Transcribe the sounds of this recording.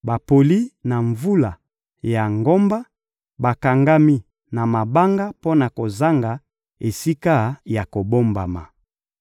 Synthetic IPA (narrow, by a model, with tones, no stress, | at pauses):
ba˨po˨li˦na˨ɱvu˦la˨ | ja˨ŋɡo˦mba˦ | ba˨ka˨ŋɡa˦mi˦ | na˨ma˨ba˦ŋɡa˦po˦na˨ko˨za˦ŋɡa˨ | e˨si˦ka˦ja˨ko˨bo˦mba̰˨ma̰˨